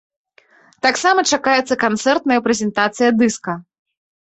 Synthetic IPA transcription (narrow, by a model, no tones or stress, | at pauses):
t̪aksamɐt͡ʂakajɛt̪sɐkant̪sɛrt̪nɐjɐpɾɛzʲɛnt̪at̪sɨjɐd̪ɨskɐ